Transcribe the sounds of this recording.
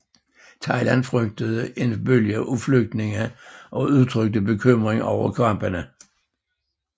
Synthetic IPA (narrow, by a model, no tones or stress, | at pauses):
tʰɑ̈ɪlænfʁøɡ̥̚d̥əðˠəʔe̝nb̥øljəʔufløɡ̥̚d̥ne̝ŋəʔɒ̽uðˠt͡sʰʁøɡ̥̚d̥əbe̝kʰømʁeŋɒ̰ʊ̰ɐkʰɑmb̥ənə